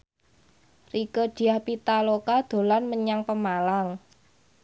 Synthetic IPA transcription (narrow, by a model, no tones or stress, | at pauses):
rikəd̪̥i̤ahpit̪alokad̪̥o̤lanməɲaŋpəmalaŋ